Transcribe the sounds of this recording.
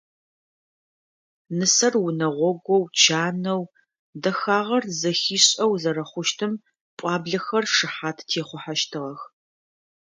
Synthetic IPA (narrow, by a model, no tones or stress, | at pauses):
nɨsɐrwʊnɐʁʷɔɡʷɔwt͡ʃʰaːnɐw | dɐxaːʁɐrzɐxiːɕʼɐwzɐɾɐχʷʊʃtʰɨm | pʷʼɑːbɮɐxɐrʂɨħaːtʰtʰeːχʷʊħaʃtʰɨʁɐx